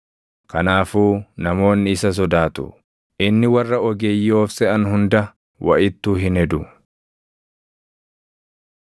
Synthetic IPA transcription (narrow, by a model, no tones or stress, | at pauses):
kɐnaːfuːnɐmo̞ːnːɪɪsɐs̬ɔd̪aːt̪ʊ̰ | ʔɪnːɪwɐrːɐɔɡeːjːɪoːfsɛɐnhʊnd̪ɐ | wʔɐ̰ʔɪt̪ːuːɦɪnɛd̪ʊ